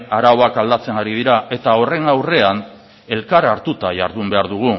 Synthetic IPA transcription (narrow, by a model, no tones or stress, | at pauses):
aɾawoakald̪at͡se̞ŋɡaɾið̞iɾaʔe̞t̪ao̞re̞ŋawre̞an | e̞lkaɾaɾt̪ut̪aʝa̰ɾðumbe̞aɾðuɣ̞u